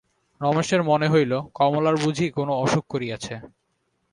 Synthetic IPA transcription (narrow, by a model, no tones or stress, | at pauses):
nɔmeʃeɾmoneɦojlokɔmolaɾbud͡ʑʱikonoɔʃok̚koɾijat͡ɕʰe